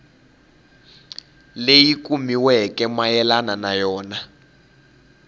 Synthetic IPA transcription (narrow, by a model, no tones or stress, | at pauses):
lejikumiwɛkɛmajɛlananajɔːna